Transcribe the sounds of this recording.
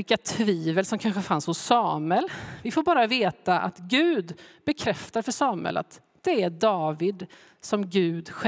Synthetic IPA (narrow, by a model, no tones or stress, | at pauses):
ɪkat̪ʰviːvəlsɔmkʰanɧəfanshʊsːɑːməlvɪfoːɾbɑːɾaveːt̪aʔa̰t̪ɡʉ̟ːd̪bɛkʰɾɛft̪ad̪fœʂɑːmə̰lʔa̰t̪ | d̪̥ɛæɖ̪ɑːvɪd̪ | sɔmɡʉ̟ːd̪ɧ